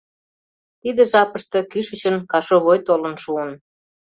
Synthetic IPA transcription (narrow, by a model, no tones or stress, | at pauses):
t̪id̪eʒɑpəʃt̪ɤ̆kyʃə̆t͡ɕənkɑʃoβojt̪olə̆nʃuən